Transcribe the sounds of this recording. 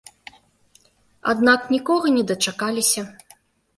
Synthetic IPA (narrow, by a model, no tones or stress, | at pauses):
a̰d̪naknʲikɔɣɐnʲɛd̪ɐt͡ʂakalʲisʲɐ